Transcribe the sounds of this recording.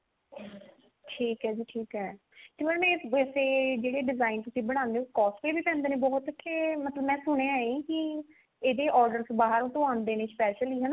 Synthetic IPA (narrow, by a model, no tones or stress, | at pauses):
ʈʰiːkɦɛːd͡ʒiːʈʰiːkɦɛː | t̪eːmɛnmɛ̃ːʋɛːseːd͡ʒeːɽeːɖɪzaːint̪ʊsĩːbəɽ̃ãːnd̪eːõkɔːspeːbiːpɛ̃ːnd̪eːneːbɔːt̪kʰːeːmət̪ləbmɛ̃ːsʊɽ̃eːaːekɪ | eːd̪eːʔɔːɾɖəɾsbaːɦəɾõːt̪oãːnd̪eːneːspɛːʃəliːɦɛːnaː